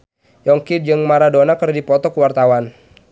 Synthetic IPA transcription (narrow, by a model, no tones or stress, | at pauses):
jɔŋkid̚d͡ʒɨŋmaɾadonakərdipɔt̪ɔkəwart̪awan